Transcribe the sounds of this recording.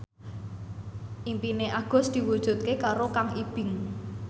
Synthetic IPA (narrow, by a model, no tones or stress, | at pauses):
ʔimpineʔaɡ̥ɔ̤sd̪̥i̤wud̥ʒ̥ṳt̪̚kekaɾokaŋʔib̥ɪ̤ŋ